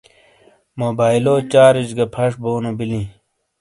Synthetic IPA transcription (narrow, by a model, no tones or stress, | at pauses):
moːbaːiloːt͡ɕaːɾid͡ʑɡɐpʰɐʂboːnobilĩ